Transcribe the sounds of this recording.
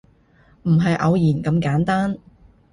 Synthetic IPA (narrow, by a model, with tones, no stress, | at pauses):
m̩˨˩ɦɐ˨jʔɐ˨˧wjiː˨˩nkɐ˨˧mkaː˨˥nt̪aː˥n